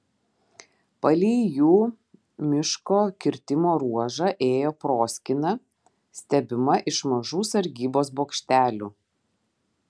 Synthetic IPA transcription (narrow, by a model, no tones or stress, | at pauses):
pɐlʲiːjuː | mʲɪʃkoːkʲɪɾʲt̪ʲɪmoːɾuɔʒɑʔeːjoːpɾoːsʲkʲɪnɐ | sʲt̪ʲɛbʲɪmɐʔɪʃmɐʒuːsɐɾʲɡʲiːboːsboːkʃʲt̪ʲæːlʲuː